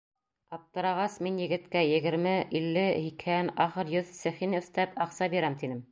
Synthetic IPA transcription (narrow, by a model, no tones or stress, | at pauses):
qɑp̚t̪ɤ̆ɾɑʁɑsminjɘ̆ɡɘ̆t̪kæjɘ̆ɡɘ̆ɾmɘʔilːɘhikhænɑχɤɾjɵðsɘ̆χinɵ̆θt̪æpɑqsɑbiɾæmt̪inɘm